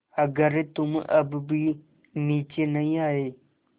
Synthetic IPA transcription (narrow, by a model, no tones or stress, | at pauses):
ɐɡəɾt̪ʊmʔɐ̰bbi | niːt͡ʃenɐĩaːɦeː